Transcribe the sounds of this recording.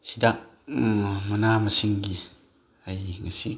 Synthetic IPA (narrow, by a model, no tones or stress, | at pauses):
sidak̚ | manamasiŋɡi | ajŋasi